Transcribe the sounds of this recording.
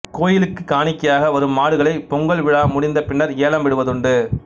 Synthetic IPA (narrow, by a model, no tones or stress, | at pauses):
koːjɪlɯkːɯkːaːɳɪkːɐjaːɣɐʋɐɾɯmːaːɽɯɣɐɭɐɪpːɔŋɡɐɭʋɪɻaːmʊɽɪnd̪ɐpɪɳːɐɾeːlɐmʋɪɽɯʋɐðɯɳɖɯ